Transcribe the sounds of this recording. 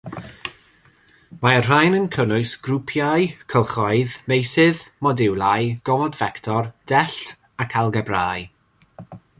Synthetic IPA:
maər̥ajnənkʰənʊɨsɡ̥rupʰjajkʰəlˠχɔɨðmejsɪðmɔdɪwlˠajɡ̥ɔvɔdvɛktʰɔrd̥ɛɬtʰ | akʰalˠɡɛbraːj

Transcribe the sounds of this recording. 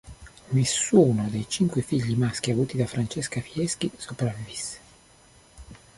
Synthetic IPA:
nesːuːnod̪ejt͡ʃiŋkwefiʎːimask̟iavuːt̪id̪afɾant͡ʃeskafiɛskisopɾavivisːe̥

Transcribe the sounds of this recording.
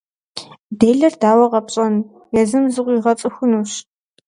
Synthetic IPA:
deːɮɐrdaːwɐʁɐpɕʼɐn | jɛzɨmzɨʁʷiːʁɐt͡sʼɨxʷʊnuːɕ

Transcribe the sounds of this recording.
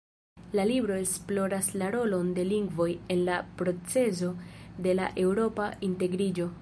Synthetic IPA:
lalibɾo̞esplo̞ɾaslaɾo̞lo̞nde̞liŋɡvo̞je̞nlapɾo̞t͡se̞zo̞de̞la̰ʔe̞wɾo̞painte̞ɡɾid͡ʒo̞

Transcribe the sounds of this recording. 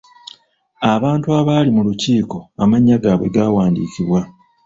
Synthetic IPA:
aβaːntuaːβaːlimuluciːko̞amaɲːaɡaːβwe̞̰ɡawaːndiːciβwa

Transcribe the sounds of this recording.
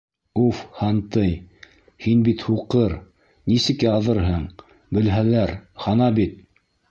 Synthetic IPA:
ufhɑnt̪ɤj | hinbit̪huqɤɾ | nisɘ̆kɘɑðɤɾɦɤɴ | bɘ̆lɦælæɾhɑnɑbit̪̚

